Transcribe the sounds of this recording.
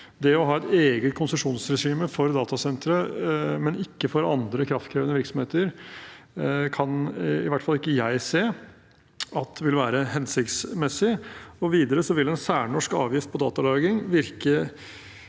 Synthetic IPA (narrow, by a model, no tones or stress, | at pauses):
d̪ɛɔɦɑːɛt̪eːɡət̪̚kʰʊnsəʂuːnsɾɛʂiːməfɔɾd̪ɑːt̪ɑsɛnt̪ɾəmɛnɪkːəfɔɾɑnd̪ɾəkʰɾɑft̪kʰɾeːʋənəʋɪɾksɔmheːt̪əɾ | kʰɑnɪʋæʈːfɑlːɪkːəjæɪseː | ɑt̪ʋɪlʋæːɾəɦɛnsɪkt̪smɛsːɪɔʋiːd̪əɾəsɔʋɪlːɛnsæːɳɔʂkɑ̰ːʋjɪft̪̚pʰɔd̪ɑːt̪ɑlɑːɡɪŋʋɪɾkə